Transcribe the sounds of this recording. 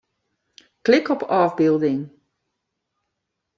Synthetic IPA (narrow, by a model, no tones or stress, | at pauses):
klɪkɔpʰɑːvbɪlˠdɪŋ